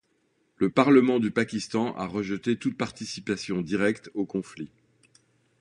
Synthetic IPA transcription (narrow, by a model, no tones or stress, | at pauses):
ləpaʁləmɑ̃d̪ypakʲist̪ɑ̃ʔa̰ʁəʒət̪et̪ut̪̚paʁt̪isipasjɔ̃d̪iʁɛkt̪okɔ̃fli